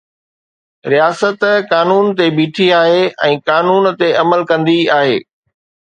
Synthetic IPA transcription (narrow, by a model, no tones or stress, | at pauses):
ɾijaːsət̪kaːnuːnt̪ebiːʈʰiaːɦeɛ̃ːkaːnuːnt̪eʔɐməlkɐ̃nd̪iaːɦeː